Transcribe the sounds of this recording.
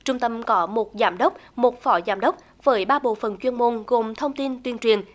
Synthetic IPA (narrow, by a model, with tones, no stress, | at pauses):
t͡ɕʊ˧ŋ͡mt̪ə˧mkɔ˨˦mo˨˩t̚zaː˨˦mɗə˦˥wk͡p̚mo˨˩t̚fɔ˨˦zaː˧˩˦mɗə˦˥wk͡p̚ | v̥əː˨˦jɓaː˧ɓo̰˧˨fə˨˩nt͡ɕwi˧ənmo˧nɣo˨˩mt̪ʰə˧wŋ͡mt̪i˧nt̪wi˧ənt͡ɕwḭ˨˩ən